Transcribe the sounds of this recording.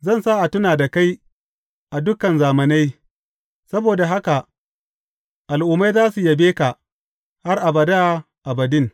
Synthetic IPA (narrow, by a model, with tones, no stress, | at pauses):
zɐ˦˨nsa˦ʔa˨tʊ˦naː˨da˨ka˦j | ʔa˨dʊ˦kɐ˨nzaː˨mɐ˨na˦j | sɐ˦boː˨da˨ɦa˦ka˨ʔ | ʔa˨lʔʊ˨ma˦jzaː˦su˨jɐ˨beː˦ka˨ʔ | ha˦rʔa˨bɐ˨da˦ | ʔa˨bɐ˨dɪ˦n